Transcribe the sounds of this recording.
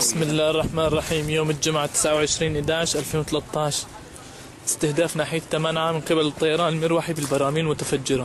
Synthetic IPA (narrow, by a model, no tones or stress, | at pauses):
bɪsmɪlːaːhɑrˤːɑħmaːnrˤːɑħiːmjoːmɪld͡ʒʊmʕat̪ɪ̥sʕawʕɪʃɾiːnʔɪd̪aːʕɪʃʔalfeːnwɪt̪alat̪ːɑːʃ | ʔɪ̥st̪ɪhd̪aːfnaːħɪjat̪ːamanʕamɪnqɪbalɨt̪ˤːɑjɑɾˤɑːnlmɪɾwaħibɪlbɑɾˤɑːmiːnmʊt̪afad͡ʒːɪɾa